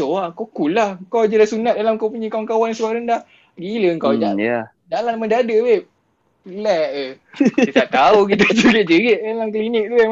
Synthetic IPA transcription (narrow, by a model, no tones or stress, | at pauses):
oakokulahkawad͡ʒadasunat̪̚dalamkawpuɲəkawankawansəbaɾəndah | ɡiləəŋkawd͡ʒaʔa | dalanməndadəwe | lɛʔəit̪aʔt̪auk̬it̪ad͡ʒəɡɪʔd͡ʒəɡeʔ̚dalamklinɪk̚t̪ue